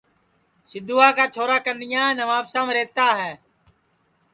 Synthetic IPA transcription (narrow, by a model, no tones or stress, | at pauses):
sɪd̪uːaːkaːt͡ʃʰoːɾaːkənɪjãːnəʋaːpsãːmɾeːt̪aːɦɛː